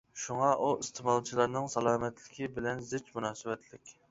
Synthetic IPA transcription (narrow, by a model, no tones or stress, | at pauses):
ʃuŋɑʔuist̪ʰɨmɑlˠt͡ʃʰilˠɑɾnɨŋsɑlˠɑːmɛt̪lɪkʲibɪlɛnzɪt͡ʃmunɑːsɨwɛt̪lɪkʲ